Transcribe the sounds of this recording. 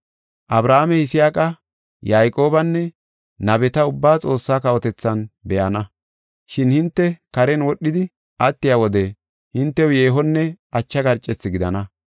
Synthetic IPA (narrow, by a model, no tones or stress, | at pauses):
ʔɐbɾaːmɛhɪsɪjaːkʼɐ | jaːjkʼo̞ːbɐnːɛ | nɐbɛt̪ɐʊbːaːt͡sʼo̞ːsːaːkɐwɔt̪ɛt͡sːɐnbɛʔɐnɐ | ʃɪnhɪnt̪ːɛkɐɾɛnwɔɗːɪd̪ɪ | ʔɐt̪ːɪjawɔd̪ɛ | hɪnt̪ːɛwje̞ːɦɔnːɛʔɐt͡ʃːɐɡɐɾt͡ʃʼːɛt͡sːɪɡɪd̪ɐ̰nɐ